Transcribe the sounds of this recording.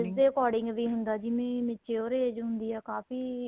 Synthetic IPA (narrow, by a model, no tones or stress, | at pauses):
ɪsd̪eːəkɔːɖɪ̃ŋɡʋiːɦʊnd̪aːd͡ʒɪmẽːmɪt͡ʃeːoːɾeːd͡ʒɦʊ̃nd̪iːɛːkaːfiː